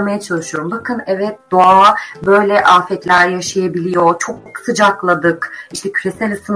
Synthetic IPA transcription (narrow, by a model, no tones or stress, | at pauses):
majat͡ʃʰalˠɯʃɯjo̞ɾumbakʰɯnɛvɛt̪̚d̪oabø̞jlʲɛʔaːfɛt̪lʲæɾjaʃajabilʲijo̞t͡ʃʰo̞k̚ksɯd͡ʒaklˠad̪ɯkiʃt̪ʰɛcʰyɾesælʲɯsɯn